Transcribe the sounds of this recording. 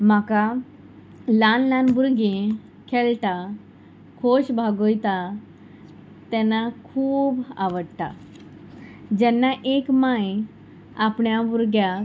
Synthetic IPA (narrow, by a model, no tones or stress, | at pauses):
m̤aka | lanlanbuɾɡe | kʰelʈ̪a | kʰoɕbʱaɡojt̪a | t̪ɛ̃nːakʰuːba̰ʋəɽt̪a | d͡ʑɛnːaʔekmaj | apɳjabuɾɡja